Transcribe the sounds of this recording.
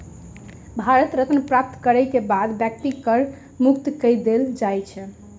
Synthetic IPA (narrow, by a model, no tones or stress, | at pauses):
bʱaɾət̪ɾət̪nəpɾap̚t̪kəɾɛjkebad̪bjɛk̚ʈikəɾ | mukt̪kəd̪eld͡ʒajt͡ʃʰɛ